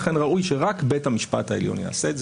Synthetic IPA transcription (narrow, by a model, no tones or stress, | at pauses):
χenʁaʔujʃeʁakbethamiʃpa̰thaḛljo̞̰nja̰ːseːtz